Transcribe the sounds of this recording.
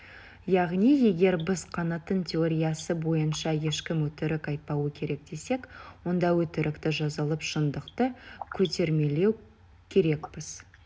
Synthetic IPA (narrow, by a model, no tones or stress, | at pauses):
jɑʁnije̞ɡʲe̞ɾbɪzqʰɑnɑt̪ːənt̪ʰʲeo̞ɾʲijɑsəbo̞jənʃɑje̞ʃkʲɪmwɵt̪ɪɾɪkɑjt̪̚pɑwəkʲʰe̞ɾe̞k̚d̪e̞se̞kwo̞nd̪ɑwɵt̪ɪɾʔɪkt̪ɪʒɑzɑlˠəpʃənd̪əqt̪əkʲʰɵt̪e̞ɾme̞le̞w | kʲʰe̞ɾe̞k̚pɪz